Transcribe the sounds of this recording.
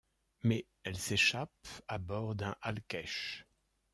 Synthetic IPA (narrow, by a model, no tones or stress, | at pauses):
mɛ | ɛlseʃapabɔʁd̪ɛ̃ʔalkɛʃ